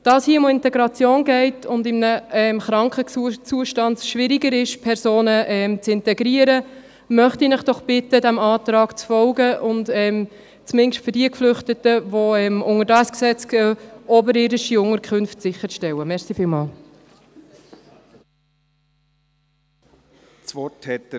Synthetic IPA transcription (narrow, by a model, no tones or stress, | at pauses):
d̥ɑːshiəʊmɪntɛɡɾɑt͡sjoːnɡɛɪtʰʊndɪmənəɛmχɾɑŋkχət͡suəʃtɑntʃʋɪɾiɡəɾɪʃpʰɛɾsoːnəʔɛmt͡sɪntɛɡɾiəɾə | mœχtinəχd̥ɔχb̥ɪtədæmɑːt̪ɾɑːɡ̥t͡sfɔlɡəʔʊntɛm | t͡smɪnʃtføɾdiəkflʏχtətəvoɛmʔʊŋəɾdɑsksɛt͡skɛɔbəɾɪɾɪʃiʊŋəɾkχɵnftsɪχːəɾʃtɛwəmɛɾsifɪːlmɑːl | t͡svɔthɛt